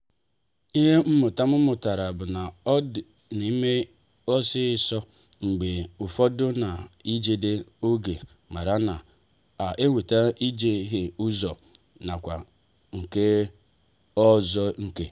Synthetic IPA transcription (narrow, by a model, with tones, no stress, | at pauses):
i˦ɦe˦m̩˦mʊ˨ta˦mʊ˦mʊ˨ta˨ɾa˨bʊ˨na˨˦˨ | ni˦me˦ | ɔ˦sɪ˦sɔ˦ | ŋ͡m̩˨ɡ͡be˨ʊ˨fɔ˦dʊ˦na˨i˦d͡ʒe˨de˦o˦ɡe˨ | ma˨ɾa˦na˨ | a˨ʔe˦wʷe˨ta˦i˦d͡ʒe˦ɦe˦ʊ˦zɔ˨ | na˨kʷa˨ | ŋ̩˨ke˦ | ɔ˦zɔ˦ŋ̩˨ke˦